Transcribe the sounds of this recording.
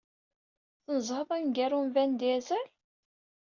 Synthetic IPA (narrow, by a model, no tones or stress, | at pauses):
θnəzˤhəðˤænɡæɾumvænd̪æzæl